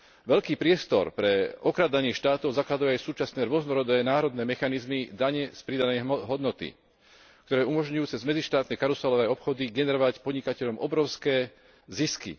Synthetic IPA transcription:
ʋɛʎkiːpɾɪɛst̪ɔ̰ɾpɾɛɔkɾad̪aɲɪɛʃt̪aːt̪ɔʊzaklad̪ujɛajsuːt͡ʃasnɛːɾʊɔznɔɾɔd̪ɛːnaːɾɔd̪nɛːmɛxanizmid̪aɲɛspɾid̪anɛjɦɔd̪nɔt̪ḭ | k̚t̪ɔɾɛːumɔʒɲujuːt͡sɛzmɛd͡ziʃt̪aːt̪nɛkaɾusalɔʋɛːɔpxɔd̪iɡɛnɛɾɔʋacpɔd̪ɲikacɛʎɔmʔɔbɾɔʊskɛː | ziskḭ

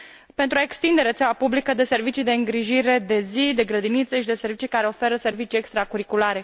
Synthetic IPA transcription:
pent̪ɾuaekst̪ind̪e̞ɾet̪seawapublikəd̪e̞se̞rvit͡ʃid̪e̞ɨŋɡɾiʒiɾe̞d̪e̞zid̪e̞ɡɾəd̪init̪səʃid̪e̞se̞ɾrvit͡ʃikaɾe̞o̞fe̞ɾəse̞rvit͡ʃiekst̪ɾakuɾikulaɾe̞

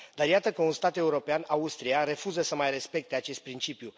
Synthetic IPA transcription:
d̪arjat̪əkəunst̪at̪e̞uɾo̞peanaust̪ɾijare̞fuzəsəmajre̞spe̞k̚t̪e̞at͡ʃe̞st̪̚pɾint͡ʃipju

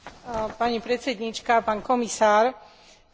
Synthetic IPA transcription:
paɲipɾɛt̪t͡sɛd̪ɲit͡ʃkapaːnkɔmisaːɾ

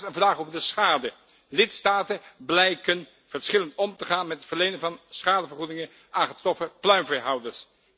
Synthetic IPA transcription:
ənvraːχowvəɹdəsχaːdə | lɪtstaːtənblɛjkən | v̥əɹsχɪləntɔmtəχaːnmɛtətfəɹlejnənvɑnsχaːdəvəɹχudɪŋə | ʔaːχətrɔfəplœɥnvɛɦɑwdəɹs

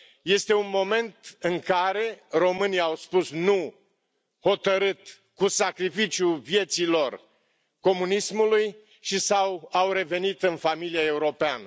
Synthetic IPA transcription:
je̞st̪e̞unmo̞me̞nt̪ɨŋkaɾe̞ro̞mɨniawspusnu | ho̞t̪əɾɨt̪ | kusakɾifit͡ʃjuvje̞t̪silo̞r | ko̞munismuluj | ʃisawawɾe̞ve̞nit̪ɨnfamiliae̞uɾo̞peanə

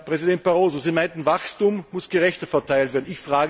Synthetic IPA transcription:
pʁ̥ɛzidɛnt̚b̥aʁoːzoziːmaɪntn̩vaxstuːmːʊsɡ̥əʁɛçtəfɛɐtʰaɪltveːɐn̩ɪçfʁaːɡ

